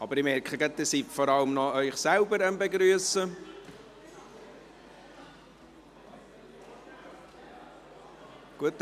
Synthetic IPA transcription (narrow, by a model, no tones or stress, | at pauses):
ʔɑbəɾɪmɛrkχəɡətd̪isiffɔɾɑləmnɔœʏχsɛlbəɾəmbeɡɾyəsə | ɡ̥uət